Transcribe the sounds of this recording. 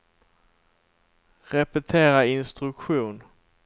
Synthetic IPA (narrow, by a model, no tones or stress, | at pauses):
ɾɛpɛt̪ʰeːɾaɪnst̪ɾɵkɧuːn